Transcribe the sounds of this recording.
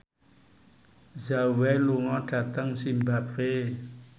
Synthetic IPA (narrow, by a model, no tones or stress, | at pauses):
zawɛloŋɔ̃ɖ̥at̪aŋsimbapre